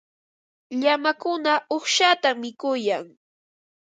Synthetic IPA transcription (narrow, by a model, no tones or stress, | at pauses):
ʎamakʊnaoχʃat̪amːɪkʊjaŋ